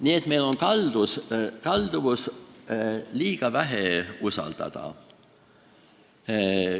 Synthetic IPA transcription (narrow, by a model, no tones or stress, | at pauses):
niːet̪me̞jlo̞nkɑld̪̥uskɑld̪̥uvus | liːɡ̥ɑvæɦeusɑ̰ld̪̥ɑ̰d̪̥ɑ̰